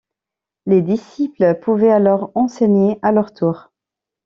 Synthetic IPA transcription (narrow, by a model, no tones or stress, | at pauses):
led̪isipləpuvɛalɔʁɑ̃seɲealœʁt̪ʰuːʁ